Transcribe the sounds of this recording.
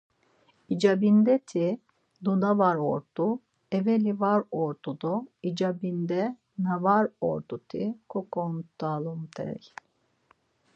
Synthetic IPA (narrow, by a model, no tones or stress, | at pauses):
id͡ʒabind̪ɛt̪ʰi | d̪ud̪avaɾoɾt̪u | evelivaɾoɾt̪ud̪uid͡ʒabind̪ɛ | navaɾo̰ɾd̪ut̪ʰikʰokont̪alˠumt̪ʰɛ̰ɾj